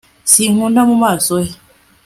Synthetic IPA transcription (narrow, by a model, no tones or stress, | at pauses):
siŋundamumasoi